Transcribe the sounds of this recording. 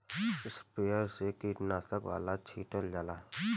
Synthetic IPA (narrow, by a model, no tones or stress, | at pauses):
ɪspejəɾsekiːʈnaːsəkʋa̰ːlat͡ʃʰiːʈəld͡ʒaːlaː